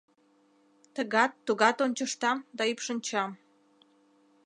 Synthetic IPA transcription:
t̪əɣɑt̪ːuɣɑt̪onʲt͡ɕəʃt̪ɑmd̪ɑypʃənʲt͡ɕɑm

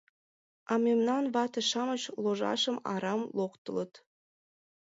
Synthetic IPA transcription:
ɑmemnɑnvɑt̪ɤ̆ʃɑmɤ̆ɕlˠoʒɑ̰ʂɤ̆mɑ̰ɾɑmlˠoqt̪ɤ̆lˠɤ̆t̪

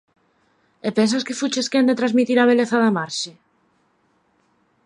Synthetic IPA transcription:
epens̬askɪfut͡ʃeskend̪et̪ɾazmit̪iɾaβ̞eleθaðamaɾʃɪ

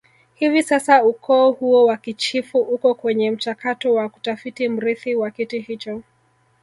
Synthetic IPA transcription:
hivisasaukʰɔːhuɔwakit͡ʃifuʔukɔkwɛɲɛm̩t͡ʃakatɔwaku̥tafitim̩ɾiθiwakitihit͡ʃɔ

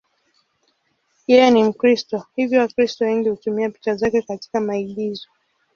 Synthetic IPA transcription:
jɛjɛnim̩kɾistɔhivjɔwakɾistɔwɛŋɡihutumiapi̥t͡ʃazakɛkati̥kamaiɠizɔ

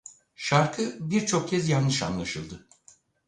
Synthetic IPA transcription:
ʃaɾkʰɯbiɾt͡ʃʰo̞k̚cʰɛzjannɯʃa̰nlˠaʃɯlˠd̪ɯ

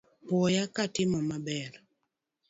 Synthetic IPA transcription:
pwɔjakatɪmɔmabɛɾ

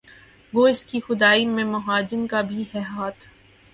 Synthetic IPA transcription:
ʋoːɪskixʊd̪aːimẽmʊɦaːd͡ʒɪnkabʱihɛɦaːt̪ʰ

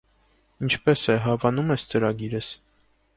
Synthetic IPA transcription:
int͡ʃʰpɛsɛɦɑvɑnumɛst͡səɾɑɡiɾəs

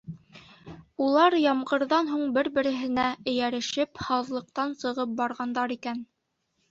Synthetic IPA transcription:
ulˠɑɾjɑmʁɤ̆ɾðɑnɦuɴbɘɾbɘ̆ɾɘ̆ɦɘ̆næɘ̆jæɾɘ̆ʃɘphɑðlˠɤ̆q̚t̪ɑnsɤ̆ʁɤp̚bɑɾʁɑnd̪ɑɾikæn

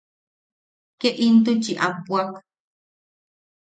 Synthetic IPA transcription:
keʔint̪̬ut͡ʃiʔapuak

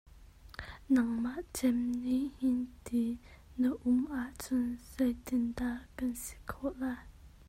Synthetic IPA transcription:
naŋmaʔt͡sɛmnihint̪i | nəʔumʔaʔt͡sʊnzɛjt̪indaʔkansi̥kʰɔʔlaj

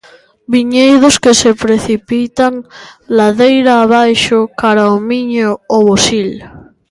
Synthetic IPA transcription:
biɲejðoskesepɾeθipit̪aŋlaðejɾaːβajʃokaɾaomiɲooβosil

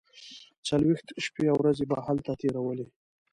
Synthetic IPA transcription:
t͡salwext̪ʃpeawɾazebɑhalt̪at̪eɾawəle

